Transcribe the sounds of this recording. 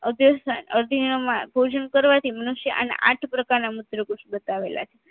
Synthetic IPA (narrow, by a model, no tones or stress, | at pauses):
əd̪josanəɾd̪ʱiomãbʱod͡ʒənkəɾʋat̪ʰimənuʃjəʔa̰na̰ʔa̰ʈʰpɾəkaɾnamut̪ɾəkusbət̪aʋelʔa̰t͡ʃʰe